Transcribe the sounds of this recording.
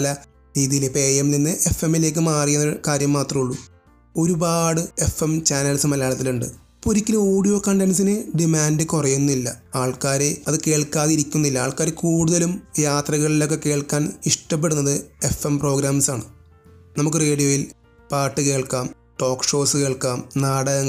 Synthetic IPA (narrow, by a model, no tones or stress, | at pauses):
lɐ | ɾiːðijilepeːemninːɨʔe̞femːile̞ːk̬ʲːɨmaːrijunːɐkaːɾjɐmːaːt̪rɐmuɭːu | o̞ɾubaːɽɨe̞femt͡ɕaːnɐlsɨmɐlɐjaːlɐt̪ːiluɳɖɨ̰ | poɾikʲːilɨo̞ːɽijo̞ːkɐɳɖensinɨɖimaːndɨkurɐjunːilːɐaːɭkaːɾeɐðɨke̞ːɭkːaːðiɾikʲːunːilːɐa̰ːɭkaːɾekuːɽuðɐlumjaːt̪rɐɣɐɭilo̞k̬ːe̞ke̞ːɭkaːniʂʈɐp̬ːe̞ɽunːɐðɨe̞fɐmpro̞ːɡɾaːmsaːɳɨ | nɐmuk̬ːɨre̞ːɽijo̞ːjil | paːʈːɨke̞ːɭkaːm | ʈo̞ːkːʂo̞ːsɨke̞ːɭkaːmnaːɽɐɐŋ